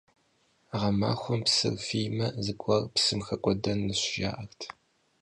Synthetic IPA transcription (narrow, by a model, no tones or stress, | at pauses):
ʁɐma̰ːxʷʊmpsɨ̰rfijmɐzɨɡʷʼɐrpsɨmxɐkʷʼɔdɐnːɨɕʒa̰ːʔɐxtʰ